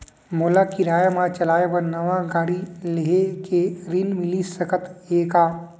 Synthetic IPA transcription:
molakiɾaːjmãt͡ʃɐlaːepɐɾnɐʋãɡaːɽileɦekeɾinmɪlisəkət̪eːkaː

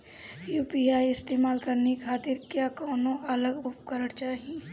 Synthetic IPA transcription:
juːpiaːiɪst̪eːmaːlkɐɾnekʰaːt̪ɪɾkjakɔːnõʔɐləɡʊpkəɾəɽt͡ʃaːɦi

